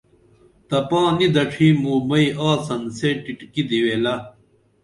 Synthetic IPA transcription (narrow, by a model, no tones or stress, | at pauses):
t̪ɐpãːnid̪ɐʈ͡ʂʰiːmuːmɐiaːsɐnseʈiʈkid̪iweːlɐ